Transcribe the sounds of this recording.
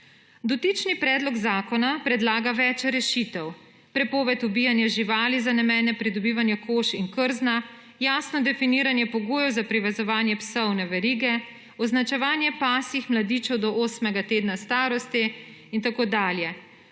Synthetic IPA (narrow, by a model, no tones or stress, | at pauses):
d̪ɔt̪iːt͡ʃnipɾɛːd̪lɔɡzaːkɔnapɾɛd̪laːɡaʋɛːt͡ʃɾɛʃit̪ɛw | pɾɛpɔːʋɛt̪ubiːjanjaʒiʋaːlizanɛmɛːnɛpɾid̪ɔbiːʋanjɛkoʃiŋkəɾzna | jaːsnɔd̪ɛfiniːɾanjɛpɔɡoːjɛwzapɾiʋɛzɔʋaːnjɛpsɔwnɛʋɛɾiːɡɛ | ɔznat͡ʃɛʋaːnjɛpaːsixmlad̪iːt͡ʃɛwd̪ɔʔoːsmɛɡat̪eːd̪nast̪aːɾɔst̪i | int̪akoːd̪aːljɛ